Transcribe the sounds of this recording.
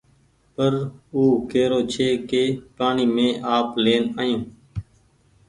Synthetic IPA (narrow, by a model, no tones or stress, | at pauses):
pəɾuːkeːɾoːt͡ʃʰeːkeːpaːɳiːmẽːʔaːpleːnaːjũː